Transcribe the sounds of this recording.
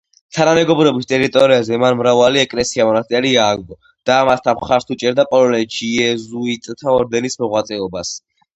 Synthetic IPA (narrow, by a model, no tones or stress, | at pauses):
t̪ʰanamɛɡɔbɾɛɔbist̪ʼɛɾit̪ʼɔɾiazɛmanmɾavaliɛkʼlɛsiamɔnat̪ʼɛliaːɡ̚d̪ɔ | d̪̥aːmast̪ʰaχaɾsʰut͡ʃʼɛɾd̪apʼɔlɔnɛt͡ʃʰiɛzuit̪ʼt̪ʰaɔɾd̪ɛnismɔʁwat̪sʼɛɔbas